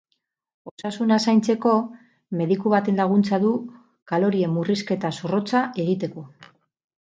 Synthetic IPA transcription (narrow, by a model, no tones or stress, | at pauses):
o̞sasunasajnt͡se̞ko̞ | me̞ðikuβat̪e̞nlaɣ̞unt͡saðu | kalo̞ɾie̞mːuriske̞t̪asoro̞t͡saʔe̞ɣit̪e̞ko̞